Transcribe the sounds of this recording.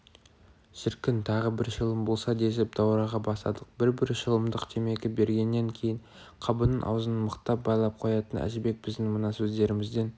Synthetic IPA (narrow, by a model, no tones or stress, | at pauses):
ʒ̥ɪɾkʲɪnt̪ʰɑʁəbɪɾʃəlˠəmbo̞lˠsɑd̪e̞sɪp̚d̪̥ɑwɾɑʁɑbɑsɑ̰d̪əq̚bɪɾbɪɾʃəlˠəmd̪əqt̪ʰeme̞ɡʲɪbe̞ɾɡʲe̞nːe̞ŋkʲʰe̞jɪɴ | qʰɑbənənʔɑ̰wzənəməqt̪ːɑp̚bɑjlˠɑp̚qʰo̞jɑt̪ənæ̰ʒɪbe̞k̚bɪzd̪ɪŋmənɑsɵzd̪e̞ɾɪmɪzd̪e̞n